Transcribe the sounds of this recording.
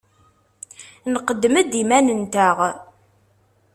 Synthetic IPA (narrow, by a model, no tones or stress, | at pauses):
nəqəd̪ːməd̪imænənt̪æʁ